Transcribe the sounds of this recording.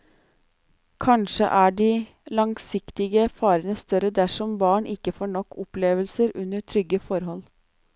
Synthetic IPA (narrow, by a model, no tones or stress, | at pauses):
kʰɑnʂə̰ʔæːɖiː | lɑŋsɪkt̪ɪɡəfɑːɾənəst̪œɾəd̪æʂɔmbɑːɳʔɪkːəfoːɳɔkːɔpleːʋəlsəɾʔʉnəʈʰɾʏɡəfɔɾɦɔl